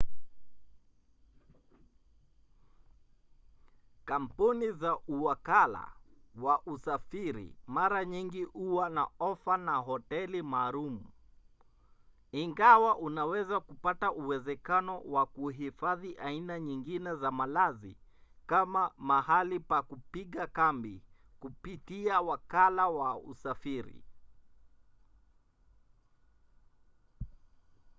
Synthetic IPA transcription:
kam̩punizauwakala̰waʔusafiɾḭmaɾaɲiŋɡihuwanaɔfanaɦɔtɛlimaːɾumu | iŋɡawaʔunawɛzakupataʔuwɛzɛkanɔwakuɦifaðiʔainaɲiŋɡinɛzamalazḭkamamahalipakupiɠakambi | kupitiawakalawaṵsafiɾḭ

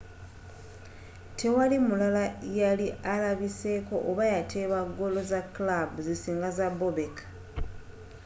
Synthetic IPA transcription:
tʰe̞walimulalajalialaβise̞ko̞ʔoβajatʰeβaɡo̞lo̞zaklabuzisiːŋɡazabo̞βe̞kʰḁ

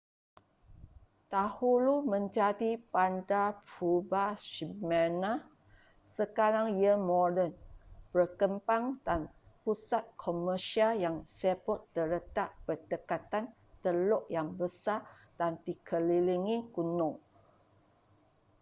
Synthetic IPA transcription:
t̪ahulumə̃ɲd͡ʒadipandapubaʃimɛna | səkaɾaŋjəmɔdənbəkəmpaŋdanpusat̪̚kʰoməʃialjaŋsepɔt̪ːəɾət̪aʔpərt̪əkat̪an | t̪əloʔjaŋbəsa | d̪̥ant̪ikʰəliliŋikunõ

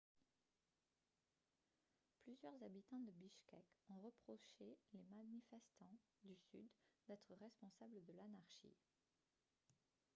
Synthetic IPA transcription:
plyzjœʁzabit̪ɑ̃d̪əbiʃkʲɛkɔ̃ʁəpχɔʃelemanifɛst̪ɑ̃ | d̪ysy̰d̪d̪ɛt̪χəʁɛspɔ̃sabləd̪əlanaʁʃḭ

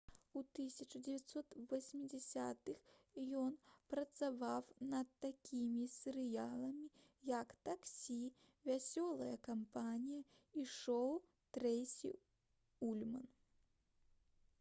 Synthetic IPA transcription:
ut̪ɨsʲɐt͡ʂɐd͡zʲɪvʲat̪sɔt̪vɐsʲmʲid͡zʲɛsʲat̪ɨxjɔnpɾɐt̪savawnɐt̪ːakʲʰimʲisʲɛɾɨjalˠɐmʲijɐkt̪aksʲi | vʲasʲɔlˠɐjɐkampanʲijɐ | iʂɔw | t̪ɾɛjsʲḭ | ulʲmɐn

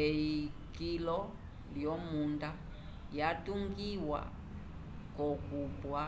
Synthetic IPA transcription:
eikilɔ | ljɔmunda | jatuŋɡiwa̰ | kɔkubwa

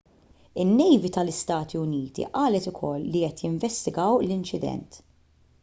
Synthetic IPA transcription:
ɪnːɛjvit̪ɐlɪst̪ɐːt̪ʰiʊniːt̪ḭʔɐːlɛt̪ʊkʰɔlːiɛt̪jɪɱvɛst̪ɪɡɐwlɪnt͡ʃɪd̪ɛ̰nt̪

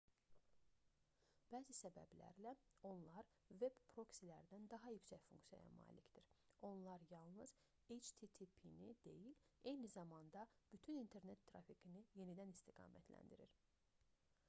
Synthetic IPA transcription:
b̥æːzisæbæ̰blæ̰ɾlæo̞nlˠɑɾ | ve̞bpʰɾo̞ksilæɾd̪ænd̪ɑɦɑjycsæçfuŋksijɑ̰jɑ̰mɑ̰ːlicd̪̥iɾo̞nlˠɑɾjɑlˠnɯz | ejt͡ʃt̪ʰit̪ʰipʰinid̪e̞̰jile̞jnizɑmɑnd̪ɑb̥yt̪ʰynint̪ʰe̞ɾne̞t̪ʰːɾɑ̰fiɡinije̞nid̪ænist̪ʰiɡɑ̰ːmæ̰t̪ʰlæ̰nd̪iɾiɾ

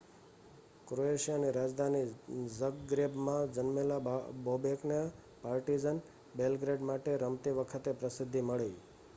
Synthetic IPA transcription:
kɾoeʃijaniɾad͡ʒd̪ʱanizəɡɡɾebmãd͡ʒənmelabobekna | paɾʈid͡ʒən | belɡɾeɖmaʈeɾəmt̪iʋəkʰət̪epɾəsɪd̪ʱːiməɭei

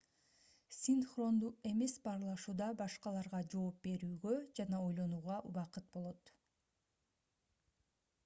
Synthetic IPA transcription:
sʲinχro̞nd̪ue̞me̞sbɑɾlˠɑʃuːd̪ɑbɑʃqɑlˠɑɾʁɑd͡ʒo̞ːp̚be̞ɾyːɡød͡ʒɑnɑo̞jlˠo̞nuːʁɑʔuβɑqɯt̪̚bo̞lˠo̞t̪

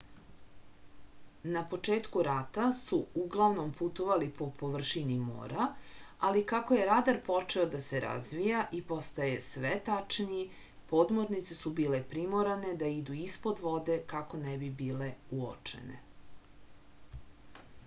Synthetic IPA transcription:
napo̞t͡ʂe̞ːt̪kuɾat̪asuuɡlˠaʋno̞mput̪oʋalipo̞po̞ʋr̩ʃinimo̰ːɾʔaalikakoje̞ɾad̪aɾpo̞t͡ʂe̞od̪ase̞ɾa̰zʋijaʔipo̞st̪aje̞sʋet̪at͡ʂniː | po̞d̪mo̞ɾnit̪sesubiːle̞pɾimo̞ɾane̞d̪aid̪uispo̞d̪ʋo̞d̪e̞kako̞nebibiːle̞uo̰t͡ʂḛne̞̰

